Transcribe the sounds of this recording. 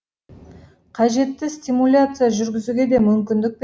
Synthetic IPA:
qʰɑʒe̞t̪ːɪsʲt̪ʲimulʲat̪sɨjaʒʏɾɡʲɪzuɡʲe̞d̪e̞mʏmkʲɪnd̪ɪk̚p

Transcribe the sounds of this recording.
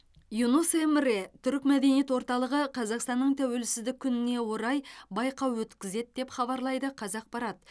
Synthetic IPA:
junosemɪɾet̪ʰʏɾɪkmæd̪e̞nije̞t̪woɾt̪ɑlˠəʁəqʰɑzɑqst̪ɑnːəɴt̪ʰæwe̞lsɪzd̪ɪk̚ʲʰːʏnɪne̞wo̞ɾɑjbɑjqɑwwɵt̪kʲɪze̞d̪̚d̪e̞pχɑbɑɾlˠɑjd̪əqʰɑzɑq̚pɑɾɑt̪

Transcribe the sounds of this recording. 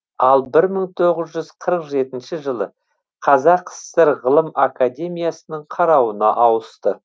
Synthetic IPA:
ɑlˠbɪɾməɴt̪ʰo̞ʁəzʒʏzqʰəɾəqʒe̞t̪ɪnʃɪʒəlˠə | qʰɑzɑqʰːə̥sːeɾʁəlˠəmakad̪ʲe̞mijasənəɴqʰɑɾɑwənɑʔɑwəst̪ə

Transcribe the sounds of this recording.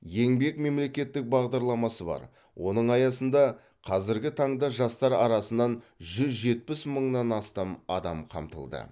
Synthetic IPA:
je̞ŋbe̞kme̞mle̞kʲe̞t̪ːɪk̚bɑʁd̪ɑɾlˠɑmɑsəbɑ̰ɾ | wʔo̞nəɴɑjɑsənd̪ɑ | qʰɑzɪɾɡʲɪt̪ʰɑɴd̪ɑʒɑst̪ɑɾɑɾɑsənːɑnʒʏzʒe̞t̪̚pɪsməɴnɑnɑst̪ɑmɑ̰d̪ɑmqʰɑ̰mt̪ə̰lˠd̪ə̰

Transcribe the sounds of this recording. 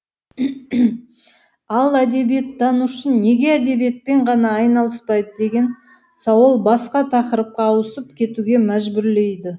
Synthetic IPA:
ɑlˠæd̪e̞bije̞t̪̚d̪ɑnuʃənne̞ɡʲe̞æd̪e̞bijet̪̚pe̞ɴʁɑnɑːjnɑlˠəspɑjd̪əd̪e̞ɡʲe̞n | sɑwəlˠbɑsqɑt̪ʰɑqəɾəp̚qɑːwəsəp̚kʲʰe̞t̪uɡʲe̞mæʒbʏɾle̞jd̪ɪ

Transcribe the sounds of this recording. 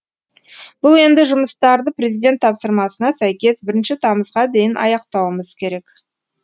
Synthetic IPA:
b̥ʊlˠe̞nd̪ɪʒʊməst̪ɑɾd̪əpɾe̞zijd̪ʲe̞nt̪ʰːɑpsəɾmɑsənɑsæjkʲe̞sbɪɾɪnʃɪt̪ʰɑməzʁɑd̪e̞jɪnʔɑ̰jɑq̚t̪ɑwəməz̥kʲʰe̞ɾe̞k

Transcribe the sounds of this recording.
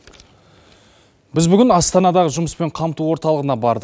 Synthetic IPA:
bɪzbʏɡʲɪnɑst̪ɑnɑd̪ɑʁəʒʊməspe̞ɴqʰɑmt̪uwo̞ɾt̪ɑlˠəʁənɑbɑɾd̪əq

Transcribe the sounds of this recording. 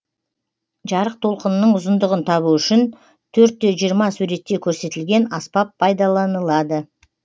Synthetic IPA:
ʒɑɾəq̚t̪ʰo̞lˠqənənːəɴʊzənd̪əʁənt̪ʰɑβuʏʃɪn | t̪ʰɵɾt̪̚ːe̞ʒijəɾmɑsuɾe̞t̪ːe̞kʲʰɵɾse̞t̪ɪlɡʲe̞nɑspɑpʰːɑjd̪ɑlˠɑnəlˠɑd̪ə

